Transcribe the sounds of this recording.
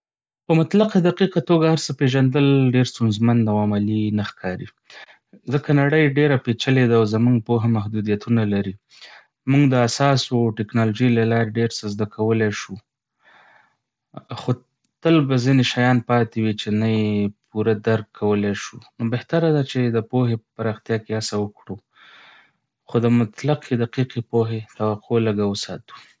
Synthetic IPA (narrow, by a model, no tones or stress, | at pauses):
pəmʊt̪laqad̪aqiqat̪oɡahaɾsəpeʒand̪əlɖeɾst̪unzmand̪awamalinaxkʰɑɾi | zəkanaɽəjɖeɾapet͡ʃaled̪awzamuŋɡ̚poɦamaɦd̪ud̪ijat̪unalaɾi | muŋɡd̪əasɑsoʈɪknɑloʒijlalɑɾeɖeɾsəzd̪akʰawəleʃu | xo | t̪əlbazineʃajɑnpɑt̪ewit͡ʃenajepuɾad̪aɾkʰːawəleʃunobeht̪aɾad̪at͡ʃed̪əpoɦepəpaɾɑxt̪jɑkeasawəkɽu | xod̪əmʊt̪laqʰed̪aqiqepoɦet̪awaqʰoləɡawəsɑ̰t̪u̥